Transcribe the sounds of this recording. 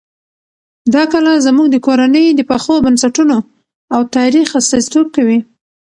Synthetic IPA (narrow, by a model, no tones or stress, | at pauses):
d̪ɑkəlazmuɡd̪əkoɾanəjd̪əpaxobansaʈuno | awt̪ɑɾixast̪ɑzi̥t̪ob̚kawi